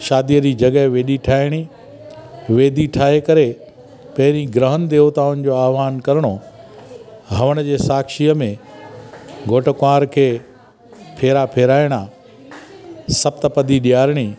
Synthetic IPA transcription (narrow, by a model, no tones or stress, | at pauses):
ʃaːd̪ijəd͡ʑiːd͡ʑɐɠəɦʋeːɗiʈʰaːɪɽ̃i | ʋeːd̪ʱiʈʰaːɦekɐɾe | pɐɦɪɾĩɡɾəɦənd̪eːot̪aːʊnɪ̆d͡ʑoaːʋaːnkɐɾɽ̃o | ɦɐʋəɽ̃əd͡ʑeːsaːkʃiəmẽ | ɡʱoːʈəkaːɾkʰeː | pʰeːɾapʰeːɾaːɪɽ̃a | sɐbt̪əpɐd̪iɗijaːɾɪɽ̃i